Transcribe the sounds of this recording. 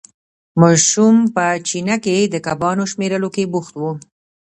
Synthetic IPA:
mɑʃumpət͡ʃinaked̪əkabɑnoʃmeɾəlokebuxt̪wu

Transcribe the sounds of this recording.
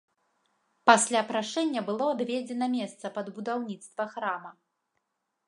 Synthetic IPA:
pasʲlʲapɾaʂɛnʲːɐbɨlˠɔabʲvʲɛd͡zʲɛnɐmʲɛst̪sɐpɐd̪bud̪awnʲit̪st̪vɐxɾamɐ

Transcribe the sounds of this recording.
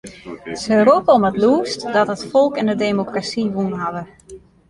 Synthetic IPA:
səropəɔmətluːstdɔtɦətfɔlˠkɛndədemokrasiʋunɦaʋə

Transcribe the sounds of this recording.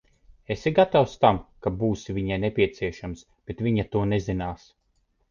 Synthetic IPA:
esiɡat̪awst̪amkabuːsivʲiɲajnepʲiɛt̪siɛʃams | b̥et̪vʲiɲat̪uɔnezinaːs

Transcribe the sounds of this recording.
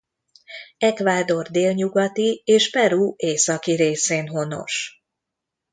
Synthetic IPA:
ɛkʋaːd̪o̞rd̪eːlɲuɡɒt̪ieːʃpɛɾuːʔeːsɒkiɾeːseːnɦo̞no̞̰ʃ

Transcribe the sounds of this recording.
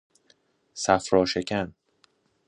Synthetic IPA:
sæfɾɒːʃecʰæn

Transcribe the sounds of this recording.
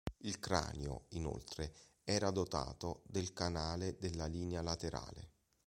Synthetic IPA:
ilkɾa̰ːnjo̰ino̰lt̪ɾe | ɛːɾad̪ot̪a̰ːt̪od̪elkanaːled̪elːaliːnealat̪eɾa̰ːlḛ

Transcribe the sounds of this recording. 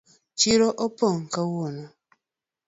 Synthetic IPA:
t͡ʃiɾoʔɔpɔŋ̩kawona

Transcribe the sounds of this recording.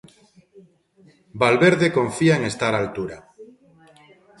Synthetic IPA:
balβeɾðekõɱfiaeŋest̪aɾaːlt̪uɾa

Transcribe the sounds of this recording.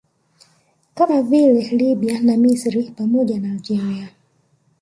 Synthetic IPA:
kamavilɛliɓianamisɾipamɔʄanaːld͡ʒiɾia

